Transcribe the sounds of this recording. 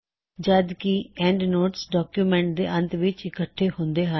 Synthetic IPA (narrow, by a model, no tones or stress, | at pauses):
d͡ʒəd̪kiɛ̃ːɳɖnoːʈsɖɔːkjuːmɛ̃ːɳʈ̚d̪ḛːʔə̃nt̪ʋɪt͡ʃɪkəʈʰːeːhʊ̃nd̪eːɦa